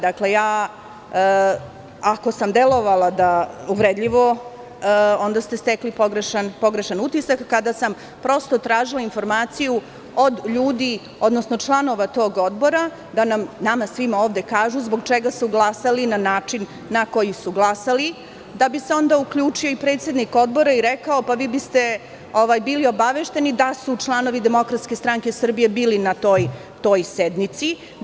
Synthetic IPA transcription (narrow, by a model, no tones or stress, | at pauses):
d̪akle̞jaː | ako̞samd̪elo̞ʋalad̪auvɾed̪ʎiʋo̞ | o̞nd̪ast̪e̞st̪eklipoɡɾeʃanpo̞ɡɾeʃanut̪isakːad̪asam | pɾo̞st̪o̞t̪ɾaːʒilˠainfo̞ɾmaːt̪siju | o̞d̪ʎuːd̪i | o̞d̪nosno̞t͡ʂlˠano̞ʋat̪o̞ːɡo̞d̪bo̞ɾa | d̪anamnamasʋimoːʋd̪e̞kaːʒuzbo̞ɡ̚t͡ʃeɡasuɡlˠasalinanaːt͡ʂinː | ako̞jisuɡlˠasali | d̪abise̞o̞nd̪aukʎuːt͡ʂioipɾet̪se̞d̪niko̞d̪̚bo̞ɾaiɾekaopaʋiːbist̪e̞ | oʋajbiːlio̞baʋeʃt̪e̞nid̪asut͡ʂlˠano̞ʋid̪e̞mo̞kɾat̪ske̞st̪ɾaŋkesr̩bije̞biːlinat̪o̞ːj | t̪o̞ːjsed̪mit̪si